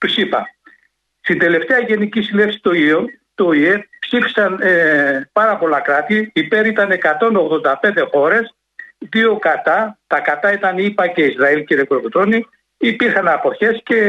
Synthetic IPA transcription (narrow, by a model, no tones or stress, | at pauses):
t̪usipɐ̰ | st̪ind̪e̞le̞ft̪eɐʝe̞nicisile̞ksi̥t̪oio | t̪o̞ie̞psifi̥sɐn | pɐɾɐpo̞lɐkɾɐt̪iipe̞ɾit̪ɐne̞kɐt̪o̞no̞ɣðo̞nd̪ɐpe̞nd̪e̞xo̞ɾe̞s | ðio̞kɐt̪ɐt̪ɐkɐt̪ɐit̪ɐnipɐce̞izɾɐilciɾekoɾokt̪ɾoni | ipiɾxɐnɐpo̞çe̞sce̞